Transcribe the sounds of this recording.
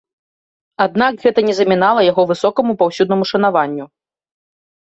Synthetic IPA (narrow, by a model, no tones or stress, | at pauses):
ad̪nakɣɛt̪ɐnʲɛzɐmʲinalˠɐjaɣɔvɨsɔkɐmupawsʲud̪nɐmuʂɐnavanʲːu